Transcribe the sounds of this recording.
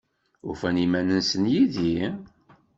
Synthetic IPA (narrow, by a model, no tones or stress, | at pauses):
ʊfænimænənsənjiði